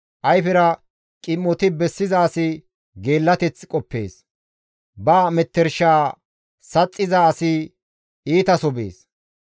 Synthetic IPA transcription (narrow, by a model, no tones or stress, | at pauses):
ʔɐjfɛɾɐ | kʼɪmːɔt̪ɪbɛsːɪzɐːsɪ | ɡe̞ːlːɐt̪ɛt͡skʼɔpːe̞̰ːs | bɐːmɛt̪ːɛɾʃaː | sɐt͡sʼːɪzaːsɪ | iːt̪ɐsɔbḛːs